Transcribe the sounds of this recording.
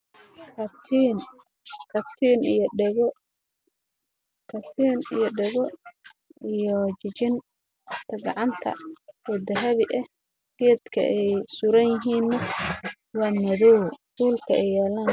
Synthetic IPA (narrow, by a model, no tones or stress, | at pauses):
kʰɐt̪ʰin | kʰɐt̪ʰiːnijɖɛɣ | kʰɐt̪ʰiːnijɔɖɛɣɔ | ijɔt͡ʃɪt͡ʃɪn | t̪ʰɐɡɑʕɑnt̪ʰɐ̰wɔd̪ɐɦɐβɪʔɛh | kijɐd̪kʰɐ̰ʔɛjsuːɾɐnjɪɦiːnːɐ | wɑːnɐðɔwkuːlkʰɐʔɛjːɛːlaːn